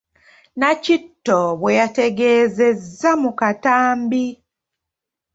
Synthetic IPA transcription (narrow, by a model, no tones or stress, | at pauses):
nacitːoβwejate̞ɡeːze̞zːamukataːmbi